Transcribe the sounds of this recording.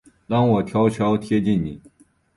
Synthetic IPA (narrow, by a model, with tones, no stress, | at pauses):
lɑ˥˩ŋwɔ˨˩t̪ʰjɑ˥ʊt͡ɕʰjɑ˥ʊt̪ʰjɛ˥t͡ɕi˥˩nnḭ˨˩˦